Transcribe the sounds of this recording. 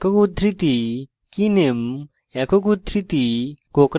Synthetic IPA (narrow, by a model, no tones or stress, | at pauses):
kokud̪ʱɾit̪i | kinem | ɛkokud̪ʱɾit̪ikokɾ